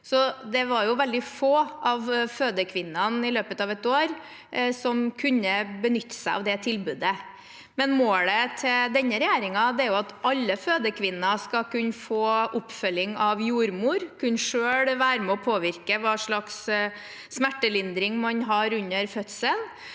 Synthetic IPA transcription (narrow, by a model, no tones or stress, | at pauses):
sɔd̪ɛʋɑɾjʊʋɛld̪ɪfoːʔɑʋføːd̪əkʰʋɪnːɑnɪløːpət̪ɑʋɛt̪oːɾ | sɔmkʰʉnːəbənʏt̪ːə̥sæɪʔɑ̰ʋd̪ɛt̪ʰɪlbʉːd̪ə | mɛnmoːɽət̪ʰɪld̪ɛnːəɾɛjæːɾɪŋɑd̪ɛæɾjʊɑt̪ʔɑlːəføːd̪əkʰʋɪnːɑskɑkʉnːəfoːʔʊpfœlːɪŋɑʋjuːɾmuːɾkʰʉnʂøːɽʋæːɾmɛɔpʰoːʋɪɾkəʋɑːʂɭɑksː | mæʈːəlɪnd̪ɾɪŋmɑnɦɑːɾʉnːəɾfœt̪sən